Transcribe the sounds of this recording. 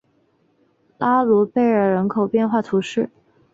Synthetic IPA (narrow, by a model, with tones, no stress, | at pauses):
la˥lu˧˥pe˥˩ɪə˞˥˩ɻə˧˥nkʰo˨˩ʊpjɛ˥˧nxwa˥˩t̪ʰu˧˥ʂɻ̩˥˩